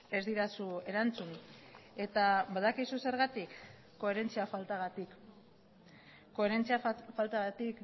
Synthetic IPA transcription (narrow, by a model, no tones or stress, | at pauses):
e̞zd̪iɾasue̞ɾant͡sune̞t̪aβaðakisuse̞ɾɣat̪ikː | o̞e̞ɾe̞nt͡siafalt̪aɣat̪i | kːo̞eɾent͡siafalt̪aɣat̪ik